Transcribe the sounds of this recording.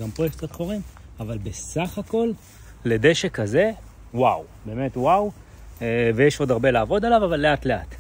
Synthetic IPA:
ɡampʁojekt͡sat̪χoʁim | avalbesaχako̞lː | ede̞ʃekaze̞ | waw | be̞ːme̞twaw | evejeʃo̞d̪aʁbe̞laːvo̞dalavavalːe̞atle̞a̰t

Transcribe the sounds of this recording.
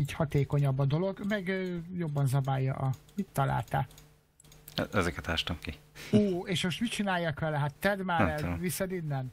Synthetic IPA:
ɛɟhɒt̪eːko̞ɲɒbːɒd̪o̞lo̞ɡmɛɡjo̞bːɒnzɒbaːjːɒ̰ʔɒmit̪ːɒla̰ːlt̪a̰ː | ɛzɛkɛt̪aːʃt̪ɒmkioːeːʃmo̞ʃt̪mit͡ʃinaːjːɒkʋɛlɛɦat̪ːɛd̪maːɾɛvisɛd̪inːɛn

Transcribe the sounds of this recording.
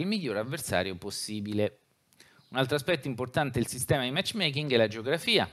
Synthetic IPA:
ilmiʎːoːɾavːersa̰ːɾjoposːiːbile | unalt̪ɾoaspɛt̪ːoimport̪ant̪eilsist̪ɛːmad̪imɛt͡ʃːmɛjk̬iŋɡelad͡ʒeoɡɾafiːa̰

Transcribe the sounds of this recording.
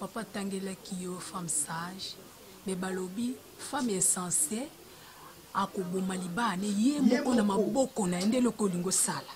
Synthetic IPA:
papataŋɡelakijɔfamsaʒ | mɛbalobi | famesãse | akobomalibanejemɔkonamabɔkɔnajndelɔkoliŋɡosala

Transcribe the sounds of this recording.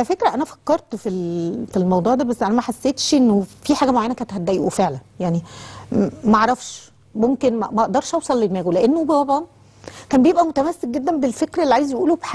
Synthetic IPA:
æfekɾæʔænæfæ̥kːɑɾˤt̪filfilmɑwd̪ˤuːʕd̪æːbæsːʔænæmæħasːeːt̪ʃʔenːofiħaːɡæmoʕajænækænet̪hæd̪ːæʔḛʔufeʕlænjaʕni | mæʔʕɾˤɑfʃ | momkenmæ̰mæʔʔd̪ɑɾˤʃʔɑwsˤɑlːed̪mæːɡuleʔenːobt̪ɑbʕɑn | kæːmbejebʔæmot̪æmæsːek̚ɡed̪ːæmbelfekɾæelːiʕaːjezjeʔuːlobħa

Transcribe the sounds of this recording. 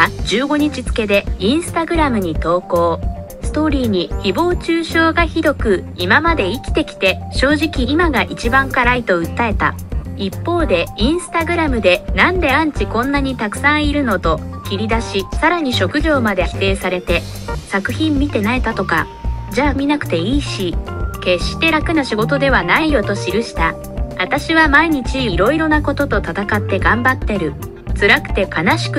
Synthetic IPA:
d͡ʑɨːɡo̞ɲ̟it͡ɕit͡sɨ̥ke̞d̪e̞ĩɰ̃sɨ̥t̪aɡɯ̟ɾamɯ̟ɲ̟it̪o̞ːko̞ː | sɨ̥t̪o̞ːɾʲiːɲ̟içibo̞ːt͡ɕɨːɕo̞ːɡaçiɾo̞kɯ̟imamad̪e̞ikʲi̥t̪e̞kʲi̥t̪e̞ɕo̞ːʑikʲiːmaɡaʔit͡ɕibãŋkaɾait̪o̞ɯ̟t̪ːae̞t̪a̰ipːo̞ːd̪e̞ĩɰ̃sɨ̥t̪aɡɯ̟ɾamɯ̟d̪e̞nãnd̪e̞ãɲ̟t͡ɕikõ̞nːaɲ̟it̪akɯ̟̥sãɰ̃iɾɯ̟no̞t̪o̞kʲiɾʲid̪aɕisaɾaɲ̟iɕo̞kɯ̟ʑo̞ːmad̪e̞çi̥t̪e̞ːsaɾe̞t̪e̞ | sakɯ̟çĩmːʲit̪e̞naet̪at̪o̞ka̰ | d͡ʑaːmʲinakɯ̟̥t̪e̞iːɕike̞ɕt̪e̞ɾakɯ̟naɕiɡo̞t̪o̞d̪e̞β̞anaijo̞t̪o̞ɕiɾɯ̟ɕi̥t̪a | at̪aɕiβamaiɲ̟it͡ɕiɾo̞iɾo̞nako̞t̪o̞t̪o̞t̪at̪akat̪ːe̞ɡãmbat̪ːe̞ɾɯ̟ | t͡sɨɾakɯ̟̥t̪e̞kanaɕi̥kɯ

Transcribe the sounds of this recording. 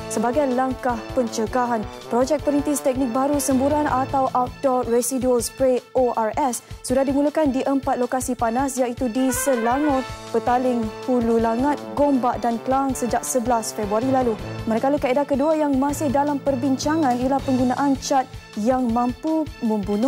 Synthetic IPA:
səbaɡajlaŋkahpəɲt͡ʃəɡaɦanpɾod͡ʒɛk̚pəɾint̪ist̪ɛk̚nɪ̃k̚baɾusəmbuɾanat̪awʔaf̚dɔresiduəlspɾeoʔarɛsːudahdimulukandiʔəmpat̪̚lokasipanasjaʔit̪udisəlaŋɔt̚b̥ət̪alɪŋpululaŋat̪̚ɡombaʔdankəlaŋsəd͡ʒak̚səbəlasfɛbɾuaɾilalumaɾakalukaedakəduajaŋmãsɪhdalampərbiɲt͡ʃaŋãnialahpəŋɡunaʔant͡ʃat̪̚jaŋmãmpumə̃mbunʊ

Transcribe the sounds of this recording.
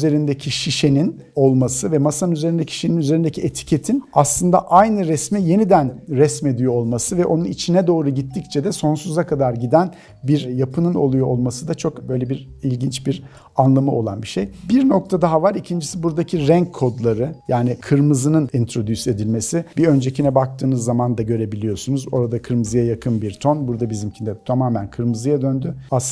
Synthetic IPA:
ze̞ɾind̪ecʰiʃiʃe̞nin | o̞lˠmasɯvɛmasanyze̞ɾind̪ecʰi̥ʃininyzeɾind̪ecʰiet̪ʰi̥cʰe̞t̪ʰinaslˠɯnd̪a̰ʔajnɯɾɛsmije̞nid̪ænɾɛsme̞d̪yjoo̞lˠmasɯvɛʔo̞nunit͡ʃʰinɛd̪o̞ːɾuɟit̪ːict͡ʃʰɛd̪ɛso̞nsuzakʰad̪aɾɟid̪æn | biɾjapʰɯnɯno̞̰lˠujoo̞lˠmasɯd̪at͡ʃʰo̞kbø̞jlʲebiɾilʲɟint͡ʃbiɾ | anlˠamɯo̞lˠanbiʃe̞jbiɾno̞k̚t̪ʰad̪aɦavaɾicʰind͡ʒisibuɾd̪acʰiɾɛɲkʰːo̞d̪lˠaɾɯjaːnikʰɯɾmɯzɯnɯnint̪ʰɾo̞d̪yse̞d̪ilʲme̞sibiø̞nd͡ʒe̞cʰinɛbak̚t̪ʰɯːnɯzːamand̪aɟø̞ɾe̞bilʲijo̞sunuzo̞̰ɾad̪akʰɯɾmɯzɯjajakʰɯnbiɾt̪ʰo̞nbuɾd̪abizimcʰind̪ɛt̪ʰamaːmænkʰɯɾmɯzɯjad̪ø̞nd̪yas

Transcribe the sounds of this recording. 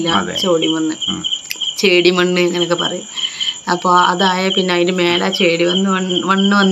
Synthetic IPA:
lːɐ̰t͡ɕoːɽimonːɨ | t͡ɕeːɽimoɳɖɨeŋːɐnɐk̬ːɨpɐ̰rɐjumɐpːoːɐ̰ðaːjɐpinːeiɾume̞ːlaːt͡ɕeːɽiʋɐnːɨɐʋɐɳːɨʋɐnː

